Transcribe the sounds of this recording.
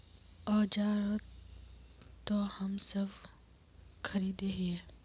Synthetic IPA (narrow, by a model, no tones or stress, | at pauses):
ɔːd͡ʒaːɾə | t̪ohɐmsɐb | kʰɐɾiːd̪eɦieː